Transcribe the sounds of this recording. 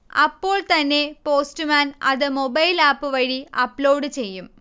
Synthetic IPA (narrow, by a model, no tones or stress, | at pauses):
ɐpːo̞ːɭt̪ɐnːe̞po̞ːstɨmaːnɐ̰ðɨmo̞bɐjlaːpːɨʋɐɻiɐpːlo̞ːɽɨt͡ɕe̞jːum